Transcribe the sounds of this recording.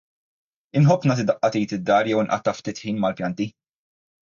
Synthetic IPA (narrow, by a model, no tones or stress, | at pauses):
ɪnħɔpːnɐt̪ɪd̪ɐʔːɐt̪iːjt̪ɪd̪ːɐːɾjɛwɪnʔɐ̰t̪ːɐft̪iːt̪ħiːnmɐlpjɐnt̪i